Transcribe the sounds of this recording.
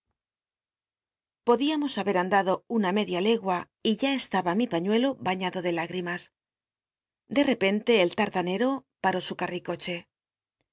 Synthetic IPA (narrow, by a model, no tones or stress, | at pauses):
po̞ðiamo̞saβe̞ɾand̪aðo̞uname̞ðjale̞ɣwa | iʝae̞st̪aβamipaɲwe̞lo̞βaɲaðo̞ðe̞laɣɾimas | d̪e̞re̞pe̞nt̪e̞ːlt̪aɾt̪ane̞ɾo̞paɾo̞sukariko̞t͡ʃe̞